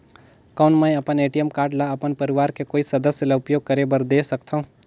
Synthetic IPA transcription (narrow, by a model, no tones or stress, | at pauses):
kɔːnmə̃jɐpəneːʈijəmkaːɾɖlaɐpənpɐɾɪʋaːɾkekoːisɐd̪əsjəlaʊpjoːɡ̚kɐɾebɐɾd̪eːsɐkt̪ʰaɦũ